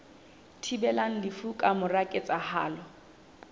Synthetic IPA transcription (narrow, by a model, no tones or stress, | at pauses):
tʰibɛlaŋ̩lɪfukʼamʊrakʼet͡sʼaha̰ːlɔ